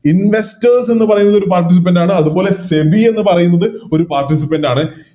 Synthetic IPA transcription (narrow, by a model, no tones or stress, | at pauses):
inʋe̞stɐrse̞nːɨpɐrɐjunːɐðo̞ɾupaːrʈis̬ip̬ːɐndaːɳɨɐðubo̞ːle̞se̞bie̞nːɨpɐrɐjunːɐðɨo̞ɾupaːrʈis̬ipːɐndaːɳɨ